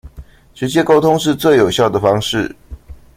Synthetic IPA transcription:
ʈ͡ʂɻ̩˧˥t͡ɕjɛ˥ko˥ʊt̪ʰʊ˦ŋʂɻ̩˥˧t͡swe˥˩ɪjo˨˩ʊɕjɑ˥˩ʊd̪ə˩fɑ˥ŋʂɻ̩˥˨

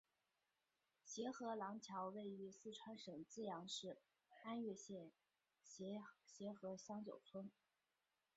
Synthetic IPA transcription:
ɕjɛ˧˥xɤ˧˥lɑ˧˥ŋt͡ɕʰjɑ˧˥ʊwe˥˩ɪy˧˥sɹ̩˥˩ʈ͡ʂʰwa˥nʂɤ˨˩ŋt͡sɹ̩˥˩jɑ˧˥ŋʂɻ̩˥˩ | xa˥nɥɛ˥˧ɕjɛ˥˩n | ɕjɛ˧˥xɤ˧˥ɕjɑ˥ŋt͡ɕjo˨˩ʊt͡sʰwə˥n

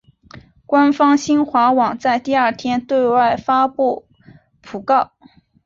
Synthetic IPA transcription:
kwa˥nfɑ˥ŋɕi˥nxwa˧˥wɑ˨˩ŋt͡sa˥˧ɪt̪i˥˧ɐ˞˥˧t̪ʰjɛ˥nt̪we˥˧ɪwa˥˩ɪfa˥pu˥˩ | pʰu˨˩kɑ˥˩ʊ

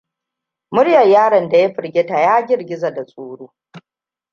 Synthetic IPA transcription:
mʊ˦ɽjɐ˨jjaː˦ɽɐ˨nda˨ja˦ɸɪ˨ɽɡʲeː˦ta˨jaː˦ɡʲɪ˦ɾɡʲɪ˦za˨da˨sʼuː˦ɽoː˦

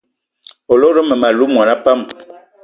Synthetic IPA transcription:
o˨lo˦ɾə˦mə˨ma˨lu˦mwa˨na˦pa˦˨m

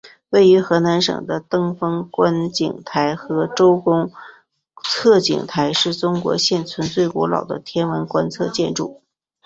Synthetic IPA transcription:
we˥˩ɪy˧˥xɤ˧˥na˧˥nʂɤ̰˨˩ŋd̪ə˦t̪ɤ˥ŋfɤ˥ŋkwa˥nt͡ɕi˨˩ŋt̪ʰa˧˥ɪxɤ˧˥ʈ͡ʂo˥ʊkʊ˥ŋ | t͡sʰɤ˥˩t͡ɕḭ˨˩ŋt̪ʰa˧˥ɪʂɻ̩˥˩t͡sʊ˥ŋkwɔ̰˧˥ɕjɛ˥˩nt͡sʰwə˧˥nt͡swe˥˩ɪkwɔ˧˥lɑ̰˨˩ʊd̪ə̰˦t̪ʰjɛ˥nwə˧˥nkwa˥nt͡sʰɤ˥˧t͡ɕjɛ˥˧nʈ͡ʂṵ˥˩

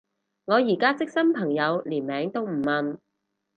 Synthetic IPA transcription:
ŋɔː˨˧jiː˨˩kaː˥t͡sɪ˥k̚sɐ˥mpʰɐ˨˩ŋjɐ˨˧wliː˨˩nmɛː˨˧ŋt̪o˥wm̩˨˩mɐ˨˩n

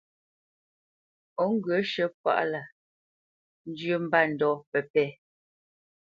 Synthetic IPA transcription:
ɔ˨˦ŋ̩˦ɡə˨˦ʃə˦pwa̰˦ʔla˨ | n̩˦d͡ʒjə˦m̩˦ba˦˨n̩˨dɔː˦pɛ˨pɛ˦

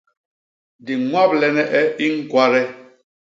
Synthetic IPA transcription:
di˨ŋwa˦blɛ˨nɛ˦ʔɛ˦ʔi˦ŋ̩˦kwa˦ɾɛ˦

